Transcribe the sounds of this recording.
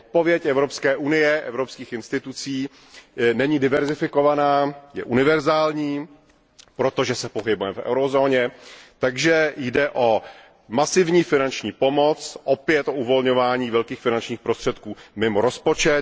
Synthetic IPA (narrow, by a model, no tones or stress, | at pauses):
ot̪̚po̞vjɛcɛvɾo̞pskɛːʔunɪjɛʔɛ̰vɾopskiːxɪnst̪ɪt̪ut͡siː | nɛɲiːdɪvɛɾzɪfɪko̞vanaːjɛ̰ʔunɪvɛɾzaːlɲiː | pɾo̞t̪o̞ʒɛsɛpo̞ɦɪbujɛfɛ̰wɾozo̞ːɲɛt̪aɡʒɛjdɛʔo̞ | masɪvɲiːfɪnant͡ʃɲiːpo̞mo̞t͡sʔopɪjɛt̪ʔo̞uvo̞lɲo̞vaːɲiːvɛlkiːxfɪnant͡ʃɲiːxpɾost̪r̥ɛt̪kuːmɪmoɾo̞spo̞t͡ʃɛt̪